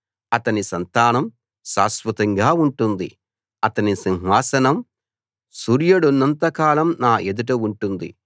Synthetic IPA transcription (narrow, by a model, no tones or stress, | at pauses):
ɐt̪ɐnisɐnt̪aːnɐm | ʃa̰ːspɐt̪ɐŋɡaːuɳʈund̪ḭ | ɐt̪ɐnisiŋɦʋaːsɐnɐm | suːɾjɐɽunːɐnt̪ɐkaːlɐmnaːʔed̪uʈ̬ɐuɳʈund̪ḭ